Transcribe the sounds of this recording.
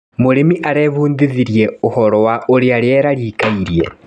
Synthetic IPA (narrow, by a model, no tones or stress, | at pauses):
moɾemiʔaɾeβuːndiðiɾjeohɔɾɔwaʔoɾeaɾeeɾaɾiːkaiɾjḛ